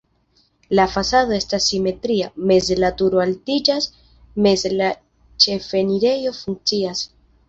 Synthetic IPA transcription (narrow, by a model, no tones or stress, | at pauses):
lafasado̞e̞stasːime̞tɾiame̞zlatuɾoaltid͡ʒas | me̞zla | t͡ʃe̞fe̞niɾe̞jo̞fuŋk̚t͡sias